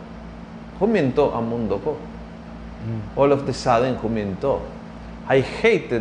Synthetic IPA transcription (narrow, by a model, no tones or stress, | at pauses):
kʰomẽnt̪oʔa̰mũnd̪oko | olokt̪esaðeŋkʰumẽnt̪o | ajxejt̪e